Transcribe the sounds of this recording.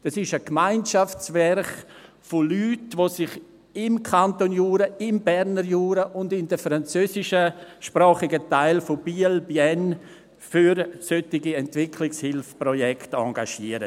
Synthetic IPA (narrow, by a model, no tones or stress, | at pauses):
d̥ɑsɪʃəkmaɪnʃafsvɛɾχ | folyːtʋoːsɪχ | ɪmkʰantonjuːɾəɪmbɛɾnəɾjuːɾəʔʊndɪndəfɾant͡søːsɪʃəʃpɾaːχɪɡətaɪlfob̥iːlbjɛn | fyɾsøtɪɡiɛntvɪkʰlɪkshɪlfpɾɔjɛktɑ̰ɡaʃiəɾə